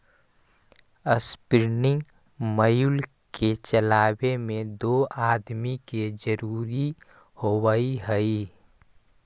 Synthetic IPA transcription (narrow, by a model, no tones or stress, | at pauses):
əspɾɪnɪ̃ŋɡ | məjul | ket͡ʃəlaːbemẽd̪oːaːd̪miked͡ʒəɾuːɾi | howəiɦəi